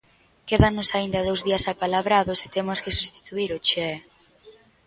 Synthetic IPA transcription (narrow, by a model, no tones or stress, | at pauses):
keðanʊsaind̪ɐðowzðiɐsapalaβɾaðʊse̥t̪emʊskesust̪i̥t̪uiɾʊt͡ʃɛ